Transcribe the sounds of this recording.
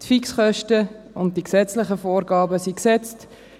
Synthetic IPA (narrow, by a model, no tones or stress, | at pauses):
tfiksχœʃtə | ʊnt̚d̥iksɛt͡slɪχəfoːɾɡɑːbəsiksɛt͡st